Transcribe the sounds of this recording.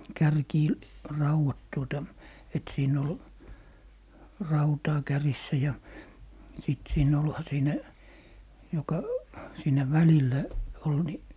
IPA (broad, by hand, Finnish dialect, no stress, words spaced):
kærkiː rɑuwɑt tuotɑ et siːn ol rɑutɑː kærisːæ jɑ sit siːn olhɑ siːnæ jokɑ siːnæ ʋælilːæ ol ni